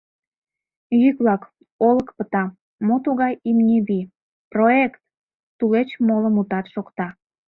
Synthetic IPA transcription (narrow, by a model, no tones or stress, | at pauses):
jyklɑk | oləkpət̪ɑ | mot̪uɣɑjimnʲiβi | proekt̪ː | ulet͡ɕmoləmut̪ɑt̪ʃokt̪ɑ